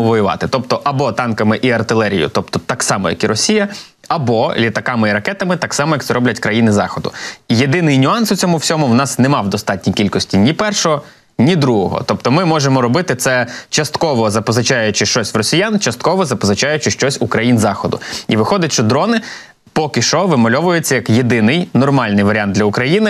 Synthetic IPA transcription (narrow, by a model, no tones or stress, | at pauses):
ʊʋɔjʊʋɑ̰t̪ɪt̪ɔp̚t̪ɔʔɐbɔt̪ɑnkɐmɪʔiɐrt̪ɪlˠɛɾʲḭjʊ̰t̪ɔp̚t̪ɔt̪ɑksɑmɔ̰jɐ̰kiɾɔsʲijɐ | ɐbɔlʲit̪ɐkɑmɪiɾɐkɛt̪ɐmɪt̪ɑksɑmɔjɐkt̪sɛɾɔblʲɐtʲkɾɐjinɪzɑ̰xɔd̪ʊ̰ije̞d̪ɪnɪjnʲʊɑnsʊt͡sʲɔmʊwsʲɔmʊwnɑsnɛmɑwd̪ɔst̪ɑt̚ʲnʲikʲilʲkɔsʲtʲinʲipɛrʃɔɦɔ | nʲid̪ɾuɦɔ̰ɦɔ̰t̪ɔpt̪ɔmɪmɔʒemɔɾɔbɪt̪ɪt̪sɛt͡ʃɐst̪kɔʋɔzɐpɔzɐt͡ʃɑjʊt͡ʃɪʃt͡ʃɔsʲʋwrɔsʲijant͡ʃɐst̪̚kɔʋɔzɐpɔzɐt͡ʃɑjʊt͡ʃɪʃt͡ʃɔsʲʊkɾɐjinzɑxɔd̪ʊ̰iʋɪxɔd̪ʲɐtʲʃt͡ʃɔd̪ɾɔnɪ | pɔkɪʃɔɦɔʋɪmɔlʲɔʋʊjet͡sʲːɐjɐkjed̪ɪnɪjnɔrmɑlʲnɪjʋɐɾʲand̪lʲɐʊkɾɐjinɪ